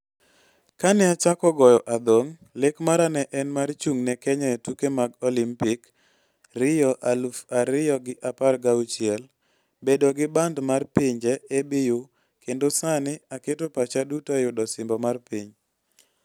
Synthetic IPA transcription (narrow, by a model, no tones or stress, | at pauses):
kanɛat͡ʃakɔɡɔjɔʔad̪oŋ | lekmaɾanɛʔɛnmart͡ʃuŋnɛkɛɲɛtukemaɡɔlimpɪk | rɪjɔʔalufaɾɪjɔɡɪʔaparɡaut͡ʃjɛl | bedɔɡɪbandmarpiɲd͡ʒɛebɪjo | kendosanɪaketopat͡ʃadutajʊdɔsɪmbɔmarpiɲ